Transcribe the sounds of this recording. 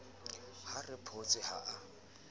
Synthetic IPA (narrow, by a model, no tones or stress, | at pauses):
harɪpʰot͡sʼɪha̰ʔa